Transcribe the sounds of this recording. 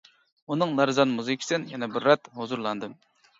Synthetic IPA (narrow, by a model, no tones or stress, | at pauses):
unɨŋlˠæɾzɑnmuzɨkʲʰi̥sɨnjɛnɛbɪɾːɛt̪hozuɾlˠɑnd̪ɨm